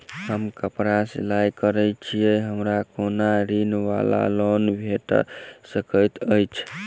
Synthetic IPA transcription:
həmkəpɾasḛlajkəɾət͡ʃʰijɛɦəmɾakonaɾinʋa̰la̰lɔnbʱeʈsəkəjt̪əjt͡ʃʰ

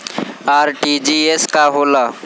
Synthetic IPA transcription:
aːɾʈid͡ʒieskaɦoːla

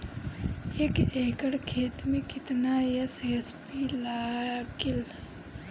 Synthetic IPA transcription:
eːkeːkəɽkʰeːt̪mẽkɪt̪najɐsjɐspilaːɡɪl

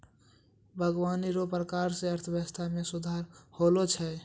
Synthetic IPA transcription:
bʱəɡwaniɾopɾəkaɾseəɾt̪ʰəjəəst̪ʰamẽsud̪ʱaɾholot͡ʃʰɛ

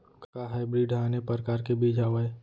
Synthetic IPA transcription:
kkaɦaːɪbɾiːɖaːnepəɾkaːɾkebiːd͡ʒʱaːʋae

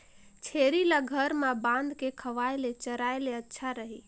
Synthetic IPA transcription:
t͡ʃʰeɾilaɡʱəɾmabãnd̪kekʰəʋaelet͡ʃəɾaeleətːʃʰaɾəɦi

